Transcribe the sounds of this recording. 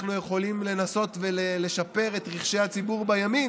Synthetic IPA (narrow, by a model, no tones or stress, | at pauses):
χnujeχo̞limle̞naso̞tve̞lele̞ʃape̞ʁe̞tʁiχʃe̞jhat͡sibuʁbajami